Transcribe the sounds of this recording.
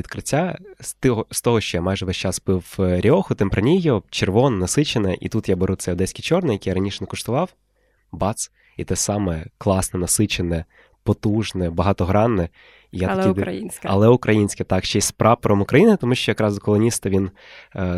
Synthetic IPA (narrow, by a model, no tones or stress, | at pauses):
ʋʲid̪kɾɪtʲːast̪ɔɦɔst̪ɔɦɔʃt͡ʃɔjamɑjʐɛʋɛsʲt͡ʃɑspɪwɾʲiɔxʊt̪empɾɐnʲijɔt͡ʃerʋɔnɐnɐsɪt͡ʃenɛʔḭt̪ut̪jabeɾutsɛjɔd̪ɛsʲkʲit͡ʃɔrnɪjɐkʲijaɾɐnʲiʃɛnɛkɔʂt̪ʊʋɑw | bɑt̪s | it̪ɛsɑmɛklˠɑsnɛnɐsɪt͡ʃenɛ | pɔt̪uʒnɛbɐɦɑt̪ɔɦɾɑnːɛ | ijatɐkid̪iɐ̰lˠɛʊkɾʔɐjinʲsʲkɐt̪ɑkʃt͡ʃɛsʲspɾʔɑpɔɾɔmʊkɾɐjinɪt̪ɔmuʃt͡ʃɔjɐkɾɑzɔkɔlˠɔnʲist̪ɐʋʲin